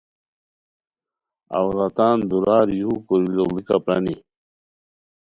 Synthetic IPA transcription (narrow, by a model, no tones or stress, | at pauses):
a̰wɾat̪aːnd̪uɾaːɾjuukoɾilolikapɾɐ̰ni